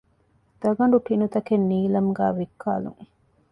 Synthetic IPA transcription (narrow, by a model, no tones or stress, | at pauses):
d̪̥ɐɡɐɳɖuʈinut̪ɐkenːiːlɐmɡæːʋikʰːaːlṵŋ